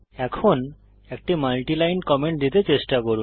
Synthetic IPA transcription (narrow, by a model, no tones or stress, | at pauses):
ɛkʰon | ek̚ʈimalʈilajnkɔmeɳʈ̚d̪it̪et͡ɕeʃʈakoɾun